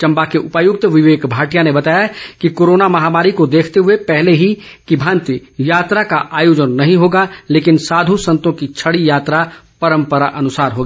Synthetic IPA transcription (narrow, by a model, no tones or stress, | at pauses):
t͡ʃɐ̃mbakeʔʊpajʊk̚t̪əʋɪʋeːkbʱaːʈijanebət̪aːjakikoːɾoːnamɐɦaːmaːɾikod̪eːkʰt̪eɦuepɛɦleɦi | kibʱãːnt̪ijaːt̪ɾakaʔaːjoːd͡ʒənːɐɦĩɦoːɡaleːkɪnsaːd̪ʱusə̃nt̪õkit͡ʃʰəɽijaːt̪ɾapəɾə̃mpəɾaʔɐnʊsaːɾɦoɡa